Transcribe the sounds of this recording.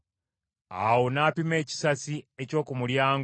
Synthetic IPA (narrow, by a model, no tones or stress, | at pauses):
a̰wonapime̞ːci̥sasieco̞ːkumuljaːŋ